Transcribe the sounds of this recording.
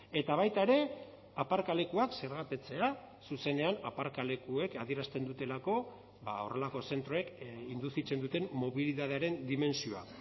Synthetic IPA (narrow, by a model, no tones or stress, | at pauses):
e̞t̪aβ̞ajt̪aeɾe̞ | apaɾkale̞kuakse̞ɾɣat̪et͡se̞a | suse̞ne̞anapaɾkale̞kue̞kaðie̞ɾast̪e̞nd̪ut̪e̞lako̞ | bao̞̰re̞lako̞se̞nt̪ɾo̞e̞kind̪usit͡se̞nd̪ut̪e̞mmo̞βiliðað̞e̞aɾe̞nd̪ime̞nsioa̰